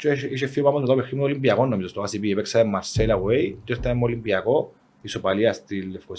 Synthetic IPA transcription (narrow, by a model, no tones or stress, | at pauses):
t͡ʃiʃefːiopamːɐzmet̪auexːimunolimbiɐkonːomizost̪oasipiepeksɐðemːɐɾselɐwejt̪eɾt̪ːɐemːolimbiɐko | isopɐliɐst̪ilːefko